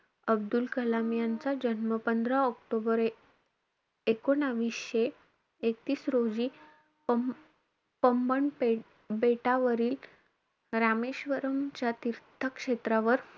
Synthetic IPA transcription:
əb̚d̪ulkəlamjant͡sad͡ʑənməpənd̪ɾaɔkʈobəɾ | ekoɽ̃aʋisɕe | ek̚t̪iːsɾod͡ʑiː | pəmbəɳe | beʈaʋəɾiːl | ɾameɕʋəɾəmt͡ɕjat̪iɾt̪ʰəkʂet̪ɾaʋəɾ

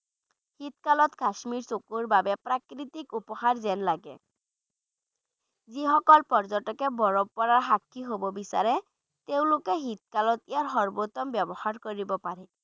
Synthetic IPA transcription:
hit̪kalɔt̪kaʃmiɹsokuɹbabɛpɹakɹit̪ikupɔhaɹzɛnlaɡɛ̰ | ziɦɔkɔlpɔɹzɔtɔkɛbɔɹɔbpɔɹaɹɦakʰːiɦobɔbisa̰ɹɛ | t̪eʊ̃lʊkɛɦit̪̚kalɔt̪iaɹɦɔɹbot̪ɔmbɛbɔhaɹkoɹibɔpaɹɛ

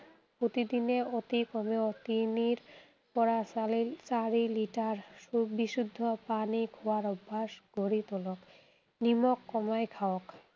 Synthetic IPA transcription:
pɾot̪id̪ineot̪ikɔmeot̪iniɾ | pɔɾasalit͡ɕaɾiliʈaɾbiʃud̪ʱːopanikʰoaɾɔbʱːaʃɡʱoɾit̪olok | nimokːɔmajkʰaok

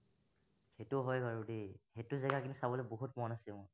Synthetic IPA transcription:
xetuɦɔjkaɹudixetuzɛɡakinusabɔlɛboɦutmɔnasilmɔ

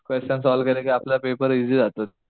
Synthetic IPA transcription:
kʋest͡ɕənsɔlkəɾekiaplapepəɾid͡ʑid͡zat̪ot̪

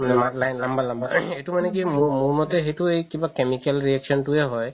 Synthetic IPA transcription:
manɛmalajnlambalambəɹejtʊmanɛk̬imʊmuɹmɔtɛxejtʊejkibakemikɛlɹiɛksʰɔntʊɛɦɔj

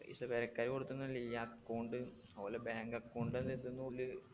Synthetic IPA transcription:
ḭʂlɐpeɾɐkːaːɾkoɽut̪ːunːɐlijakːoːɳɖɨ | ɐlɐbaːŋɡɐkːoːɳɖend̪et̪ːunːuulɨ

